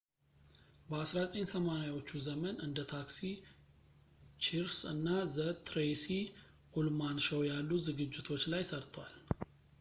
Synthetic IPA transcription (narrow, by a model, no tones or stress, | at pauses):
bəasɾat̪ʼəɲsəmanajwo̞t͡ʃːuzəmənɨnd̪ət̪ʰaksi | t͡ʃʰiɾsɨ̰nːazət̪ɾesi | ʔulmanʃəwjalːuzɨɡɨd͡ʒːɪt̪ʰo̞t͡ʃːlajsəɾt̪ʰwal